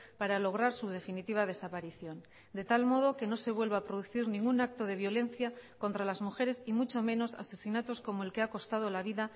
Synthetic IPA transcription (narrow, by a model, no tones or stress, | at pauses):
paɾalo̞ɣ̞ɾaɾsuð̞e̞finit̪iβað̞e̞sapaɾiθjo̞n | d̪e̞t̪almo̞ð̞o̞ke̞no̞se̞βwe̞lβaːpɾoð̞uθiɾnĩŋɡunak̚t̪o̞ð̞e̞β̞jo̞le̞nθjako̞nt̪ɾalazmuxe̞ɾe̞simut͡ʃo̞mẽ̞no̞sa̰se̞sinat̪o̞sko̞mo̞e̞lke̞ako̞st̪að̞olaβ̞iða